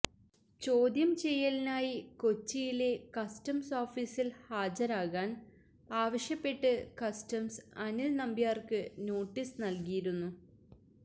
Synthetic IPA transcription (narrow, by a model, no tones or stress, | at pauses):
t͡ɕo̞ːd̪jɐmt͡ɕe̞jːɐlinaːjiko̞t͡ɕːijile̞kɐstɐmsoːfiːsilhaːd͡ʑɐɾaːɣaːn | aːʋɐɕjɐpːe̞ʈːɨkɐstɐmsɐnilnɐmbijaːrkɨno̞ːʈːisnɐlkijiɾunːu